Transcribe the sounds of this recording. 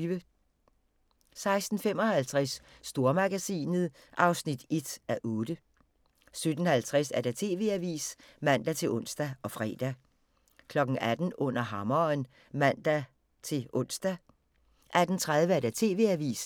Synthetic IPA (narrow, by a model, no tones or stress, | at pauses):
ʋə | sɑ̈ɪsd̥n̩fem̰ɒ̽hælt͡sʰʁasːd̥o̝ɐmɑ̈ɡ̥æsḭːnəð̩ˠ | ʔɑ̈ʊsnid̥e̝d̥æʔɔːd̥ə | sød̥n̩hælt͡sʰʁɛsæɐd̥æt͡sʰe̝̰ːʋe̝̰æʋḭːs | mæn̰d̥æt͡sʰe̝lɔ̽n̰sd̥æɒ̽fʁɛ̰ːd̥æ | kʰlɒ̽ɡ̥ŋ̩æd̥n̩ɔ̽n̰ɐɦɑ̈mɐn | mæn̰d̥æ | t͡sʰe̝lʔɔ̽n̰sd̥æ | ʔæd̥n̩t͡sʰʁað̞ˠʋəæɐd̥æt͡sʰe̝ːʋe̝̰æʋḭːs